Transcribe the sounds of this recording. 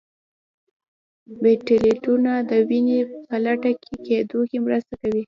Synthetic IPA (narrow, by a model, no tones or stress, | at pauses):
beʈɪliʈunad̪əwinepəlaʈakʰeked̪okemɾəst̪akawi